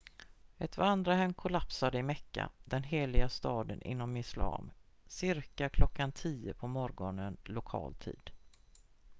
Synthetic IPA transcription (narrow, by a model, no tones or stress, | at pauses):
ɛt̪vaand̪ɾaɦɛmːkʰʊlapsad̪əɪmɛkːa̰d̪ɛnɦeːlɪɡast̪ɑːd̪ənʔɪ̰nːɔmɪslɑ̰ːm | sɪɾkakʰlɔkːant̪ʰiːəpʰɔmɔɾɡɔnənlʊkʰɑ̰ːlt̪ʰḭːd̪̥